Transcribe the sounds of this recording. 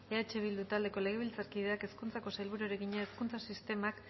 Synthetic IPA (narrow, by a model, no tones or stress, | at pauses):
e̞at͡ʃe̞β̞ild̪ut̪ald̪e̞ko̞le̞ɣ̞e̞β̞ilt͡saɾkið̞e̞ake̞skunt͡sako̞sajlβuɾueɾe̞ɣiɲaeskunt͡sasist̪e̞mak